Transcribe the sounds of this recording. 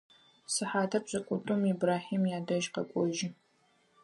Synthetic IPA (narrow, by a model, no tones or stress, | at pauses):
sɨħaːtʰɐpɕʼɐkʷʼʊtʼʊmibraːħiːmjaːdɐʒqɐkʷʼɔʒɪ